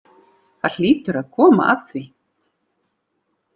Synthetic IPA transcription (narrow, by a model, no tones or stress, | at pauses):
θaɾl̥iːt̪ʏɾaðkʰɔːma̰ʔa̰ðθvi